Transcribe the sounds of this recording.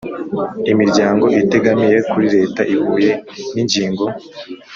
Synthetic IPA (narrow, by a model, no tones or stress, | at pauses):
imiɾɟaːŋɡo̞ʔite̞ɡamije̞kuɾiɾe̞ːtaʔiβuːje̞niɲɟiːŋɡo̞